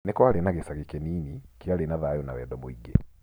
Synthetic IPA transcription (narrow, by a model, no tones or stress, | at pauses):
nekwalenaɣesaɣekɛniːnikialenaðaːjɔnawɛdɔmoiɡe